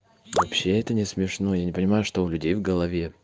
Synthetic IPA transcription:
vɐpɕːe̞ɛt̪ənʲɪsmʲɪʂno̞janʲɪpənʲɪmajʊʂt̪o̞ʊlʲʉdʲejvɡəlˠɐvʲe̞

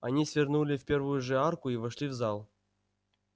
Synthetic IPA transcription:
anʲisʲvʲernulʲɪfʲpʲervʊjuʐɨarkʊivaʂlʲivzɑlˠ

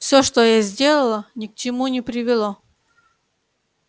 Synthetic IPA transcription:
fsʲoʂt̪ojazʲdʲelˠəlˠənʲɪk̚t͡ɕɪmunʲɪpɾʲɪvʲɪlˠo

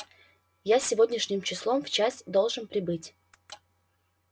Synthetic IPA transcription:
jasʲɪvo̞dʲnʲɪʂnʲɪmt͡ɕɪslˠo̞mft͡ɕasʲd̪o̞lˠʐɨnpɾʲɪbɨtʲ

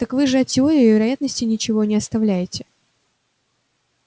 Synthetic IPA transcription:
t̪əkvɨʐɨɐtʲɪo̞ɾʲɪɪvʲɪɾɐjat̪nəsʲtʲɪnʲɪt͡ɕɪvo̞nʲɪɐst̪ɐvlʲæjɪtʲɪ

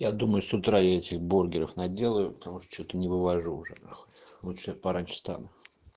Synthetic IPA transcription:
jad̪uməjʊsʊt̪ɾajaɛtʲɪxbo̞rɡʲɪɾəfnɐdʲe̞lˠəjʊpə̥t̪ɐmuʂt̪o̥t͡ɕot̪ənʲɪvɨvɐʐuːʐɛ̰naxolˠutʂɨjapɐɾanʲʂst̪a̰nʊ

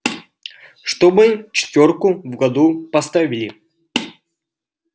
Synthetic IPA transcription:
ʂt̪obɨt͡ɕɪ̥t̪ʲvʲorkʊvɡɐd̪upɐst̪avʲɪlʲɪ

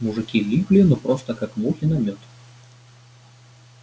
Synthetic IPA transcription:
muʐɨkʲilʲiplʲɪnɔpɾɔst̪əkakmuxʲɪnɐmʲɔt̪

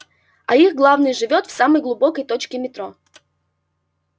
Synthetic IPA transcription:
ɐiɣɡlˠavnɨjʐɨvʲot̪fsaməjɡlˠʊbokəjt̪ot͡ɕkʲɪmʲɪt̪ɾo

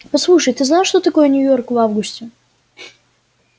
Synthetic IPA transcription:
pɐslˠuʂəjt̪ɨznajʂt̪ot̪ɐko̞jənʲʊjo̞rkvavɡʊsʲtʲɪ

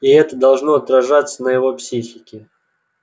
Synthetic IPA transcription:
ɪɛt̪əd̪ɐlˠʐnoɐt̪ɾɐʐat̪sənəjɪvopsʲixʲɪkʲɪ

